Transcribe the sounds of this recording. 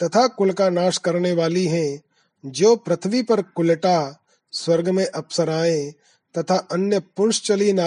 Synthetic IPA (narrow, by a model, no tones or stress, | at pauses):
t̪ɐt̪ʰakʊlkanaːʃkɐɾneʋaːliɦɛ̃ | d͡ʒoːpɾɐt̪ʰəʋipɐɾkʊlʈa | swɐɾɡmẽʔɐpsəɾaːẽ | t̪ɐt̪ʰaʔɐnjəpʊnʃt͡ʃɐlina